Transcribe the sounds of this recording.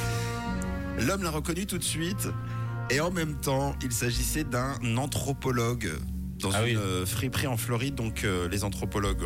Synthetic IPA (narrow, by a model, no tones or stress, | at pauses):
lɔmlaʁəkɔnyt̪ut̪sɥit̪ | eɑ̃mɛmt̪ɑ̃ilsaʒisɛd̪ɛ̃nɑ̃t̪χɔpɔlɔɡ | d̪ɑ̃zynfχipχiɑ̃flɔʁid̪ːɔ̃kølezɑ̃t̪χɔpɔlɔɡ